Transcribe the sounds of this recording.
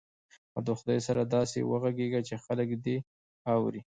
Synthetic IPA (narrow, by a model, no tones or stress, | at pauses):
a̰wd̪əxʊd̪ɑjsaɾad̪ɑsḛwəɣaɡeɡat͡ʃexaləkd̪e | ɑwɾi